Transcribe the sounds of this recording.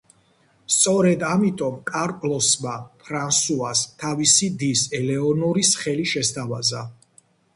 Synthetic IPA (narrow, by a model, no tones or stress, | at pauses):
st̪sʼɔɾɛd̪amit̪ʼɔmkʼaɾpʼlɔsmapʰɾansuast̪ʰavisid̪isɛlɛɔnɔɾisχɛliʃɛst̪ʰava̰za